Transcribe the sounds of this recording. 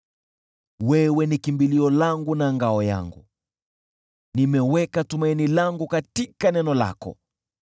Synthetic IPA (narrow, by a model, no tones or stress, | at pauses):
wɛwɛnikimbiliɔlaŋɡunaŋɡaɔja̰ŋɡṵ | nimɛwɛkatumainilaŋɡukatikanɛnɔla̰kɔ̰